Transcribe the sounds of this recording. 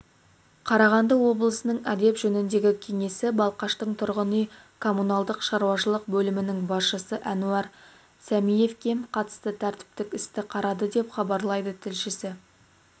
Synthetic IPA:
qʰɑɾɑʁɑnd̪əwo̞blˠəsənəɴæd̪e̞pʒɵnɪnd̪e̞ɡʲɪkʲʰe̞ŋe̞sɪbɑlˠqɑʃt̪əɴt̪ʰʊɾʁənəj | kʰo̞munɑlˠd̪əqʃɑɾuwɑʃəlˠəq̚bɵlɪmɪnɪŋbɑsʃəsəʔænuɑɾ | sæmije̞fkʲʰe̞mqʰɑt̪ə̥st̪ət̪ʰæɾt̪ɪ̥p̚t̪ɪkʲɪst̪ɪqʰɑɾɑd̪əd̪e̞pχɑbɑɾlˠɑjd̪ət̪ʰɪlʃɪsɪ

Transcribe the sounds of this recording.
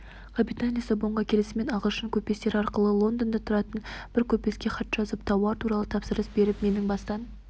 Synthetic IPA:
qʰɑpɾit̪anʲijasəboɴʁɑkʲʰe̞lɪsɪme̞nɑʁəlˠʃəŋkʲʰɵpːe̞st̪e̞ɾɑɾqəlˠəlˠo̞nd̪ond̪ɑt̪ʰʊɾɑt̪ənb̥ɪɾkʲʰɵp̚pːe̞skʲe̞χɑt̪ʒ̥ɑzəpt̪ʰɑwɑɾt̪ʰuɾɑlˠət̪ʰɑpsəɾəsbe̞ɾɪpme̞nɪŋbɑst̪ɑn

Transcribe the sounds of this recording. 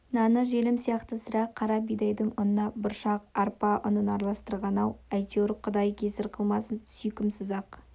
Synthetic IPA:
nɑnəʒelɪmsijɑqt̪əsəɾɑqqʰːɑɾɑbijd̪ɑjd̪əɴʊnənɑbʊɾʃɑqɑɾpɑʔʊ̰nənɑɾɑlˠɑst̪əɾʁɑnɑwæjt̪ewɾqʰʊd̪ɑjkʲʰe̞sɪɾqʰəlˠmɑsənsʏjkʲɪmsʊzɑq

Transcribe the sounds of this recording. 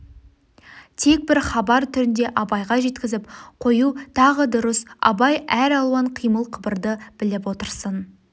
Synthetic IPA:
t̪ʰe̞k̚bɪɾχɑbɑɾt̪ʰʏɾɪnd̪e̞ʔɑbɑjʁɑʒe̞t̪kʲɪzɪpqʰo̞jut̪ʰɑʁəd̪ʊɾəsɑ̰bɑjæɾɑlˠuwɑɴqʰijməlˠqʰəbəɾd̪əb̥ɪlɪp̬wo̞t̪əɾsən

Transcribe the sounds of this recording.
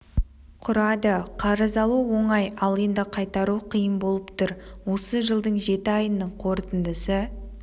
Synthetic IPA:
qʰʊɾɑd̪əqʰɑɾəzɑlˠuwo̞ɴɑjɑlˠend̪ɪqʰɑjt̪ɑɾuqʰijəmbo̞lˠəpt̪ʊɾwo̞səʒəlˠd̪əɴʒe̞t̪ɪɑjənːəɴqʰo̞ɾt̪ənd̪əsə

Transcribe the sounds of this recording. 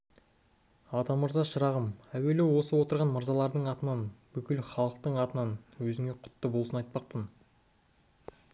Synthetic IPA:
ɑt̪ɑməɾzɑʃəɾɑʁəmæwe̞lewo̞səwo̞t̪əɾʁɑnməɾzɑlˠɑɾd̪əɴɑt̪ənɑnbʏkʲɪlχɑlˠəq̚t̪əɴɑt̪ənɑnwɵzɪŋe̞qʰʊ̥t̪ːəbolˠsənɑjt̪̚pɑq̚pən

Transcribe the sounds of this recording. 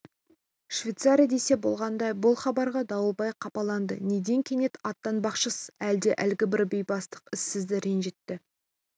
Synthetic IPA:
ʃvʲejt̪saɾʲijad̪e̞se̞bo̞lˠʁɑnd̪ɑjbʊlˠχɑbɑɾʁɑd̪ɑwəlˠbɑjqʰɑpɑlˠɑnd̪ə̰ne̞d̪e̞ŋkʲʰe̞ne̞t̪ɑt̪ːɑnbɑqʃəsæld̪e̞ʔælɡʲɪbɪɾbe̞jbɑst̪ə̥qɪsːɪzd̪ɪɾenʒe̞t̪ːɪ

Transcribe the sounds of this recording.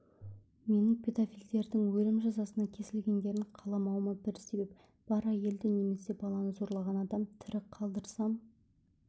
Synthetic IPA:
me̞nɪŋpʲʰe̞d̪afʲild̪e̞ɾd̪ɪŋwɵlɪmʒɑzɑsənɑkʲʰe̞sɪlɡʲe̞nd̪e̞ɾɪɴqʰɑlˠɑmɑwmɑbɪɾse̞be̞p̚ | b̥ɑɾæje̞ld̪ɪne̞me̞se̞bɑlˠɑnəzo̞ɾlˠɑʁɑnɑd̪ɑmt̪ʰɪɾɪqʰɑlˠd̪əɾsɑm

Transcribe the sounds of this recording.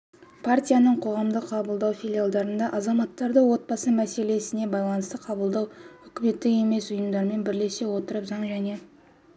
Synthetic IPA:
pʰart̪ʲijanəɴqʰo̞ʁɑmd̪əqʰːɑbəlˠd̪ɑwfʲilʲijalˠd̪ɑɾənd̪ɑʔɑzɑmɑt̪ːɑɾd̪əwo̞t̪̚bɑsəmæse̞le̞sɪne̞bɑjlˠɑnəst̪əqʰɑbəlˠd̪ɑwʏkʲɪme̞t̪ːɪke̞me̞sʊjəmd̪ɑɾəme̞nbɪɾle̞se̞wo̞t̪əɾəpzɑɴʒæne̞

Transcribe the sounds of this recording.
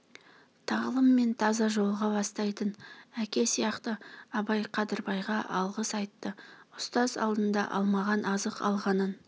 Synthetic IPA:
t̪ʰɑʁlˠəmːe̞nt̪ʰɑzɑʒo̞lˠʁɑbɑst̪ɑjt̪ənækʲe̞sijɑqt̪əɑbɑjqʰɑd̪əɾbɑjʁɑʔɑlˠʁəsɑjt̪ːəʊst̪ɑzɑ̰lˠd̪ənd̪ɑ̰ʔɑ̰lˠmɑʁɑnʔɑzəqɑ̰lˠʁɑnən

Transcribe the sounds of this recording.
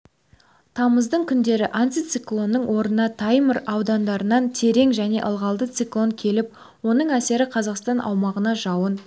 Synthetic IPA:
t̪ʰɑməzd̪əɴkʲʰʏnd̪e̞ɾɪʔant̪ijt̪siklˠo̞nːəɴwo̞ɾənɑt̪ʰɑjməɾɑwd̪ɑnd̪ɑɾənɑnt̪ʰe̞ɾe̞ŋʒæne̞̰ʔəlˠʁɑlˠd̪ət̪siklˠo̞ŋkʲʰe̞lɪp̚ | wo̞nəɴæse̞ɾɪqʰɑzɑqst̪ɑnʔɑ̰wmɑʁənɑʒɑwən

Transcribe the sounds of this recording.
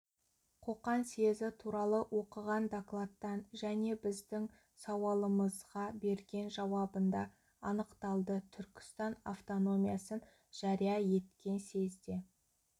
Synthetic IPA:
qʰo̞qɑnsezɪt̪ʰuɾɑlˠəwʔo̞qəʁɑnd̪aklˠat̪ːɑnʒæne̞bɪzd̪ɪŋ | sɑwɑlˠəməzʁɑbe̞ɾɡʲe̞nʒɑwɑbənd̪ɑ | ɑnəqt̪ɑlˠd̪ət̪ʰʏɾkʲɪ̥st̪ɑna̰ft̪o̞no̞mijasən | ʒ̥ɑɾijɑje̞t̪kʲe̞nse̞zd̪e̞

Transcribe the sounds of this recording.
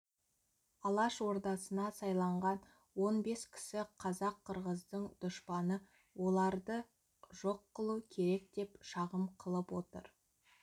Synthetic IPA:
ɑlˠɑʃwo̞ɾd̪ɑsənɑsɑjlˠɑɴʁɑn | wo̞nbe̞skʲʰɪ̥sɪqʰɑzɑqʰːəɾʁəzd̪əɴd̪̥ʊʃpɑnə | wo̞lˠɑɾd̪ə | ʒo̞qːəlˠukʲʰe̞ɾe̞k̚d̪e̞pʃɑʁəmqʰəlˠəpwo̞t̪ə̰ɾ

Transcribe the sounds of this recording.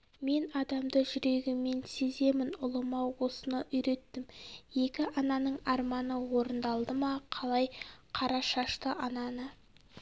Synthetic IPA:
me̞nɑd̪ɑmd̪əʒʏɾe̞ɡʲɪmːe̞nse̞ze̞mɪnʊlˠəmɑwwo̞sənəʔʏjɾe̞t̪ːɪmje̞kʲɪʔɑnɑnəɴɑɾmɑnəwo̞ɾənd̪ɑlˠd̪əmɑqʰɑlˠɑjqʰɑɾɑʃɑʃt̪əʔɑnɑnə

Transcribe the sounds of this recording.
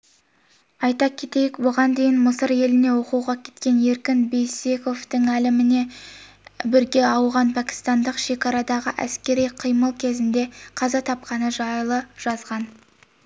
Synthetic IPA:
ɑjt̪ɑkʲʰe̞t̪e̞jɪkbʊʁɑnd̪e̞jɪnməsəɾje̞lɪne̞wo̞quwʁɑkʲʰe̞̥t̪kʲe̞ne̞ɾkʲɪnbejse̞ko̞ft̪əŋælɪmɪne̞ | bɪɾɡʲe̞ɑwʁɑnpʰækʲɪ̥st̪ɑnd̪əqʃe̞kʲɑɾɑd̪ɑʁəʔæskʲe̞ɾijqʰijməlˠkʲʰe̞zɪnd̪e̞qʰɑzɑt̪ʰɑp̚qɑnəʒɑjlˠəʒ̥ɑzʁɑn

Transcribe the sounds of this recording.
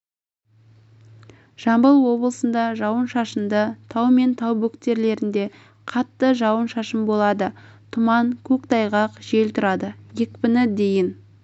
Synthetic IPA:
ʒ̥ɑmbəlˠwo̞blˠəsənd̪ɑʒɑwənʃɑʃənd̪ət̪ʰɑwme̞nt̪ʰɑwbɵkt̪e̞ɾle̞ɾɪnd̪e̞ | qʰɑt̪ːəʒɑwənʃɑʃəmbo̞lˠɑd̪ət̪ʰʊmɑŋkʲʰɵkt̪ɑjʁɑqʒe̞lt̪ʰʊɾɑd̪əjekpɪnɪd̪ejɪn

